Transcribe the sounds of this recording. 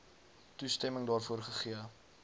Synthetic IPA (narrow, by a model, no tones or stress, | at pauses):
tustɛməŋdɑːrfuərχəχiə